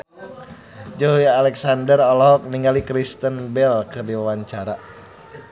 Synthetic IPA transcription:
d͡ʒoɦujalɛksandərɔlɔɦɔk̚niŋɡalikɾist̪ənbɛlkɨrdiwawaɲt͡ʃaɾa

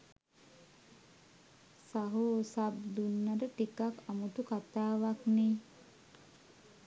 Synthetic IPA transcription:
saɦosab̚d̪unːadəʈikakamut̪ukat̪aːʋakniː

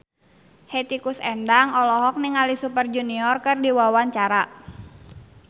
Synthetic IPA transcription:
hɛt̪ikusɛndaŋɔlɔɦɔk̚niŋalisupərd͡ʒuniɔrkɨrdiwawaɲt͡ʃaɾa

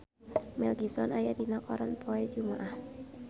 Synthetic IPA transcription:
mɛlɡipsɔnajadinakɔɾanpʰɔɛd͡ʒumaʔah

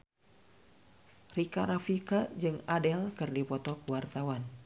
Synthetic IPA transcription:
rikaɾafikad͡ʒɨŋadɛlkɨrdipɔt̪ɔkuwart̪awan

